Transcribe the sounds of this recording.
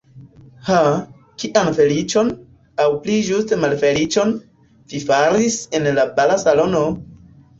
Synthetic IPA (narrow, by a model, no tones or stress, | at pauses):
ha | kiʔanfe̞lit͡ʃo̞n | awplid͡ʒustemalfe̞lit͡ʃo̞n | v̥ifaɾise̞nlabalasalo̞no̞